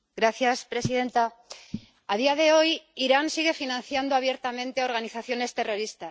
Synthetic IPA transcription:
ɡɾaθjaspɾe̞siðe̞nt̪a | að̞iaðe̞o̞jiɾansiɣe̞finãnθjand̪oaβ̞je̞ɾt̪amẽnt̪eo̞ɾɣaniθaθjo̞ne̞st̪e̞ro̞ɾist̪a

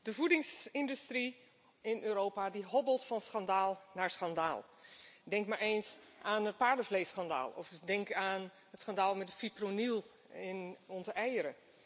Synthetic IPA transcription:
dəvudɪŋsɪndystri | ɪnʔøːɾoːpadiɦɔbəlˠtfɑnsχandaːlˠnaːɹsχandaːlˠdɛŋkmaɹeːnsʔaːnət̚paːɹdəvleːsxanda̰ːlˠɔ̰fdɛŋkaːn | ɦətsχandaːlˠmɛt̚dəfipronilˠ | ɪnɔnzəɛjəɾə

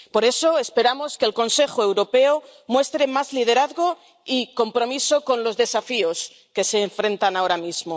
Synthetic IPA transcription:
po̞ɾe̞so̞espe̞ɾamo̞ske̞ːlko̞nse̞xoe̞wɾo̞pe̞omwe̞st̪ɾe̞mazlið̞e̞ɾaðɣo | iko̞mpɾo̞miso̞ko̞nlo̞zðe̞safios | ke̞se̞ːɱfɾẽ̞nt̪anao̞ɾamizmo

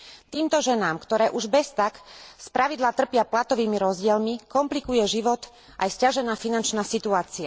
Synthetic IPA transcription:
t̪iːmt̪ɔʒɛnaːmkt̪ɔɾɛːʔuʒbɛst̪akspɾaʋid̪laːt̪r̩pɪaplat̪ɔʋiːmiɾɔzɟɪɛlmikɔmplikujɛʒiʋɔt̪ | ʔajscaʒɛnaːfinant͡ʃnaːsit̪uaːt͡sia

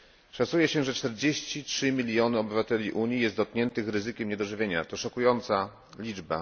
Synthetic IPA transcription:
ʂat̪sujɛɕɛʐɛt͡ʂt̪ɛɾd͡ʑeɕt͡ɕitʂɘmʲilʲjɔnɘɔbɘvat̪ɛlʲiʔuɲijɛst̪d̪ɔt̪̚kɲɛnt̪ɘxɾɘzɘkʲɛmɲɛd̪ɔʐɘvʲjeɲat̪ɔʂɔkujɔnt̪sa | lʲid͡ʐba̰

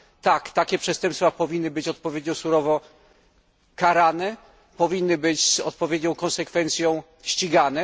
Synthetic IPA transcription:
t̪akt̪akʲɛpʂɛst̪ɛ̃mpsfapɔvʲinːɘbɘt͡ɕɔt̪̚pɔvʲjed̪ɲɔsuɾɔvɔ | kaɾanɛ | pɔvʲinːɘbɘt͡ɕzɔ̰t̪̚pɔvʲjed̪ɲɔ̃w̃kɔnsɛkfɛnt̪sʲjɔ̃w̃ | ɕt͡ɕiɡanɛ

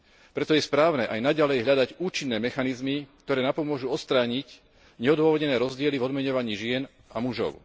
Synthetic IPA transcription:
pɾɛt̪ɔjɛspɾaːʊnɛːʔajnaɟalɛjɦʎad̪aɟuːt͡ʃinːɛːmɛxanizmikt̪ɔɾɛːnapɔmʊɔʒuɔt̪st̪ɾaːɲic | ɲɛɔd̪ʊʋɔʋɔdɲɛnɛːɾɔzɟɪɛlivɔd̪mɛɲɔʋaɲiːʒɪɛn | amuʒɔ̰ʊ

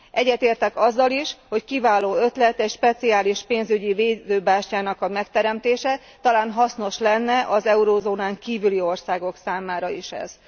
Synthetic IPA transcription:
ʔɛɟːɛt̪eːrt̪ɛkɒzːɒliʃho̞ckivaːloːø̞t̪lɛt̪ɛcʃpɛt̪siaːliʃpeːnzyɟiveːzøːbaːʃcaːnɒkɒmɛkt̪ɛɾɛmt̪eːʃɛ | t̪ɒlaːnɦɒsno̞ʃlɛnːɛʔɒzɛuɾoːzoːnaːŋkiːvylio̞rsaːɡo̞ksaːmaːɾɒiʃɛ̰z̥

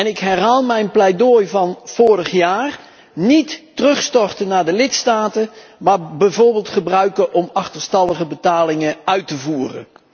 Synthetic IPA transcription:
ɛnɪkɦɛrɦaːlˠmɛjnplɛjdojvɑnv̥ʊːrəχjaːr | nitːərɵχstɔrtənːaːɹdəlɪtstaːtəmaːɹbɛjvoːɹbɪːlˠtχəbrœɥkəʔɔmɑχtəɹstɑlˠəχəbətaːlɪŋəœɥtəvuːrə̰n

